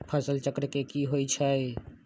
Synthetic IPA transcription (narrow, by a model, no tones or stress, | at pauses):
pʰəsəlt͡ʃəkɾkekiɦojt͡ʃʰə